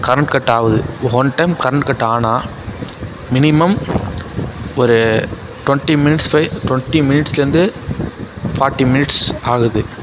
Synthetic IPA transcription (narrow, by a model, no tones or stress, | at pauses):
kɐɾɐɳʈkɐʈːaːʋɐðɯɦɔnʈɐɪmkɐɾɐɳʈkɐʈːaːnaː | mɪnɪmɐm | ɔɾɯ | ʈwɐɳʈimɪnɪʈspɐɪʈwɔɳʈimɪnɪʈsɪlɐɾɯnd̪ɯ | fʰaːɾʈːimɪnɪʈsaːɣɐðɯ